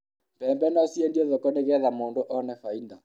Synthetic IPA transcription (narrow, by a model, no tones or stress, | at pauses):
pɛːmbɛnɔsjɛndiɔðɔkɔneɣɛðamoːndoʔɔnɛfainda